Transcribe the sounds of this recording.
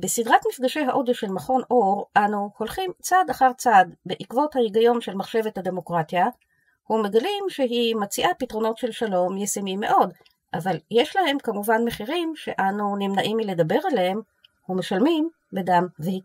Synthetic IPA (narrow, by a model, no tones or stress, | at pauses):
besidʁatmifɡaʃejɦaʔo̞d̪eʃe̞lmaχo̞nʔo̞ʁʔanuho̞lχimt͡sadaχaʁt͡sadbeʔikvo̞thajiɡajo̞nʃe̞lmaχʃe̞ve̞thade̞mo̞kʁatja | hume̞ɡalimʃeɦimat͡siʔapitʁo̞no̞tʃe̞lʃalo̞mjesemimːe̞ʔo̞d | ʔavaljeʃlahe̞mkamuvanme̞χiʁimʃe̞̰ʔanunimnaʔimile̞dabe̞ʁalehem | hume̞ʃalmim | bedamvehi